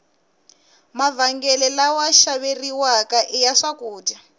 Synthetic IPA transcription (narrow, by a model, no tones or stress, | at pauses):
mavaŋɡɛlɛlawaʃaβeriwakaʔijaʂakuːda